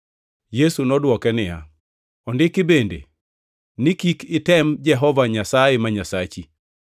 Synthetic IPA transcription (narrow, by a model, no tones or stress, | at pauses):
jesunɔdwɔkɛnɪja̰ | ɔndɪkɪbendḛ | nɪkikɪtɛmd͡ʒɛɦɔvaɲasajemaɲasat͡ʃi